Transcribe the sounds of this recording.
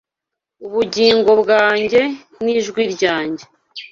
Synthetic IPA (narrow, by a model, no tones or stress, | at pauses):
uβuɟiːŋɡo̞bɡaːɲɟe̞ | niʒɡwiːɾɟaːɲɟe̞